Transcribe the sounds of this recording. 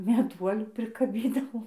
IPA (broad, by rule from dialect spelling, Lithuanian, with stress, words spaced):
mʲɛˈduɔlʲuː pʲrʲɪkɐˈbʲiːdɐʋoːm